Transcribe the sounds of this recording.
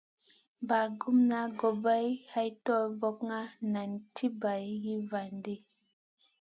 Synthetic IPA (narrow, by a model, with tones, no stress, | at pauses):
ba˨ɡu˦mna˦ɡo˨ba˦jha˦jtɔ˦˨vɔ˦kŋa˦na˨ntʰi˦ba˨jji˦va˨ndi˦